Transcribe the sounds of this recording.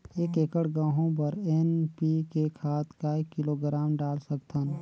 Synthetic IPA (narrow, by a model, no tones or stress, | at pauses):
eːkeːkəɽɡãːɦõp̬əɾɛːnpikekʰaːt̪kaekɪloɡɾaːmɖaːlsəkt̪ʰən